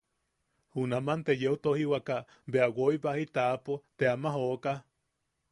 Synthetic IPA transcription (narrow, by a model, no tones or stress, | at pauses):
hunamant̪ejeut̪ohiwaka | beawoiβahit̪apot̪eamaɦoka